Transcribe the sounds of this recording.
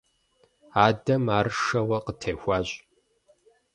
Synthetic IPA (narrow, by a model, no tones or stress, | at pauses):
aːdɐmaːɾɨʂɐwɐqətʰeːxʷaːɕʼ